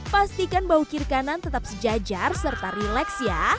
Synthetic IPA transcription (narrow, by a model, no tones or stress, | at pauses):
past̪ikanbaukirkanant̪ət̪ap̚səd͡ʒad͡ʒarsərt̪aɾilɛksja